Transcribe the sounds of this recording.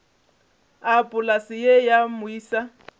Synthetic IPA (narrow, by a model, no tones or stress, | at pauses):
apʼʊlasɪjejamʊiːsa